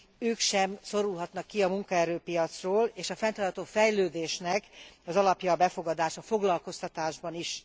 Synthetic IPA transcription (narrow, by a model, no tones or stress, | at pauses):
øːkʃɛmso̞ɾulɦɒt̪nɒkːiɒmuŋkɒɛɾøːpijɒt̪sroːleːʃɒfɛnt̪ɒːrt̪ɒt̪oːfɛjløːd̪eːʃnɛkɒzɒlɒpjɒːbɛfo̞ɡɒd̪aːʃɒfo̞ɡlɒlko̞st̪ɒt̪aːʒbɒniʃ